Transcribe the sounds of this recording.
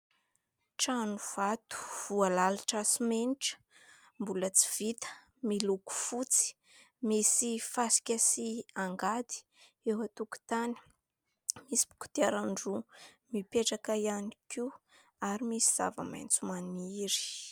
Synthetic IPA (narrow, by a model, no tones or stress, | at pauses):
ʈ͡ʂanuv̥at̪u̥v̥ualalaʈ͡ʂasimeniʈ͡ʂə̥ | mbulət͡si̥v̥it̪ə̥ | miluku̥fut͡si̥ | misifasi̥kʲasiaŋɡad̪i̥ | ewat̪uku̥t̪ani̥ | misi̥bu̥ku̥t̪aɾaɳɖ͡ʐu | mipeʈ͡ʂakajaniki | aɾimisiz̥a̰və̰ma̰jnt͡sumanimiiɾi̥